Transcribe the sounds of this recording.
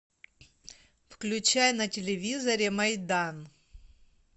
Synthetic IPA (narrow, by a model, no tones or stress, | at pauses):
fklʲʉt͡ɕajnɐtʲɪlʲɪvʲizɐɾʲɪmɐjd̪an